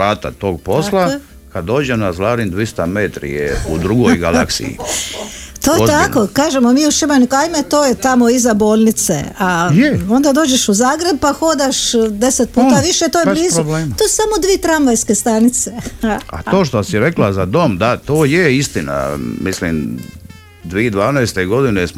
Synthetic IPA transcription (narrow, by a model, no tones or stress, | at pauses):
ɾaːt̪a̰t̪oːɡ̚po̞slˠa | kad̪o̞ːd͡ʒenazlaːɾind̪ʋist̪amet̪ɾḭjḛud̪ɾuɡojɡa̰lˠa̰ksḭḭ | t̪oːjet̪akokaːʒemomiːuʃimanikajmet̪oːjet̪amo̞izaboːlʲˠnit̪sḛajo̞nd̪ad̪o̞ːd͡ʑe̞ʃuzaːɡɾeb̚paxo̞d̪aʃd̪e̞set̪̚puːt̪aʋiʃet̪ojeliːzt̪osu̥samod̪ʋiet̪ɾamʋajske̞st̪anit̪sea̰t̪o̞ːʃt̪osiɾeklazad̪o̞md̪at̪oːjeist̪ina̰mislḭm | d̪ʋied̪ʋaːnɛjst̪eɡo̞d̪ines